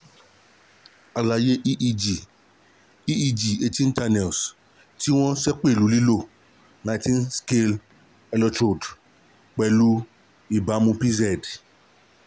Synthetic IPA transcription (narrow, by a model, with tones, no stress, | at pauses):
a˨la˨je˦ʔʔi˨ | i˦i˦d͡ʒi˨e˧tĩ˦n̩˦ta˧nɛ˨s | ti˦w̃ɔ̃˦sɛ˦k͡pe˦˨lu˨˦li˦lo˦˨ | nã˨˦jtĩ˦nske˧l | ɛ˧lɔ˧tɾo˨d | k͡pɛ˨lu˦ | i˨ba˨˦mũ˧pi˦zɛ˨d